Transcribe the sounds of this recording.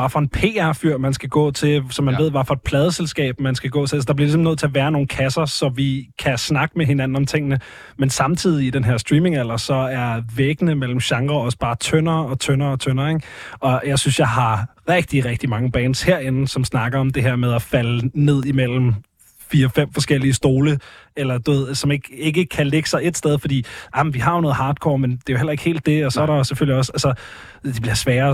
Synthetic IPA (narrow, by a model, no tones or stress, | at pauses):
ɑ̈fɒ̽e̝npʰe̝ːæɐ̰fyɐ̰mænsɡ̥æɡ̥ɔ̰̽ːt͡sʰe̝sɒ̽mːæne̝ð̞̰ˠʋɑfɒ̽e̝d̥̚pʰlɛːðˠəselsɡ̥ɛ̰ːb̥mænsɡ̥æɡ̥ɔ̰̽ːt͡sʰeælsəd̥ɑb̥liɐlisɒmnøð̰ˠt͡sʰe̝ɐʋæːɐno̝ːn̩kʰæsɐsɒ̽ʋikʰæsnɑ̈ɡ̥əmeɦe̝nænn̩ɒ̽mt͡sʰe̝ŋ̰ənə | mensɑ̈mt͡sʰið̰ˠiːd̥enɦeɐ̰sd̥ʁiːme̝ŋæl̰ɐsɒ̽æɐʋeɡ̥ənəmel̰m̩ɕɑ̈ŋʁɐɒ̽səb̥ɑ̈ːt͡sʰønɐːɒ̽t͡sʰønɐːɒ̽t͡sʰønɐːeɡ̥ɒ̽jɑ̈ɪsynsjɑ̈ɪhɑ̈ʁɛɡ̥̚d̥iʁɛɡ̥̚d̥imɑ̈ŋəb̥ɛːnsheɐ̰e̝nn̩sɒ̽msnɑ̈ɡ̥ɐɒ̽md̥e̝ɦeɐ̰með̞ˠæfæləne̝ð̞̰ˠimel̰m̩ | fiːɐfem̰fɒ̽sɡ̥el̰iəsd̥o̝ːləelɐd̥uʋe̝ð̞̰ˠsɒ̽me̝ɡ̥e̝ɡ̥əkʰæle̝ɡ̥ə̥sɑ̈ɪe̝d̥sd̥eð̞ˠfɒ̽d̥ḭːʔɑmnʋihɑ̈jo̝nɔ̽ːð̩ˠhɑ̈ːd̥̚kʰɒ̰ːmend̥e̝æjohel̰ɐe̝ɡ̥he̝̰ːld̥e̝ɒ̽sɒ̽æɐɾɑ̈seføl̰liɒ̽sælsɐ | d̥eb̥liɐsʋɛːɐ